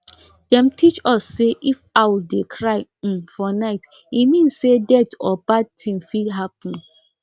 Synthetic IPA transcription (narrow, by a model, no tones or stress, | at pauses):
d̥ɛ̃mtʰit͡ʃɔsːeʔifaɪwudekʰɹaɪm̩fɔnaɪt | imĩnssedɛtɔbad̚tʰĩmfidɦapɔ̃n